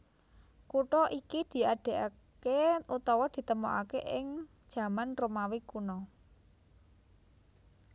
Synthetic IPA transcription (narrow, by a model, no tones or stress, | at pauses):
kuʈɔʔikid̪̥i̤aɖ̥e̤ʔa | keut̪ɔwɔd̪̥i̤t̪əmoʔakeʔɪŋ̥ | ʒ̥ä̤manromawikunɔ